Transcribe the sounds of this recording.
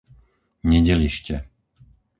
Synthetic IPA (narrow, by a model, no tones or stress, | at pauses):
ɲɛɟɛliʃcɛ